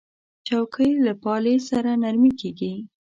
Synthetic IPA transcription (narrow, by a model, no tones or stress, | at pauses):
t͡ʃawkʰəjlapɑlesaɾanaɾmikeɡi